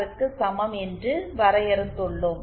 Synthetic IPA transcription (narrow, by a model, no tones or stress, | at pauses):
ɾɯkːɯsɐmɐmɛndrɯʋɐɾɐjɛɾɯt̪ːɯɭːɯm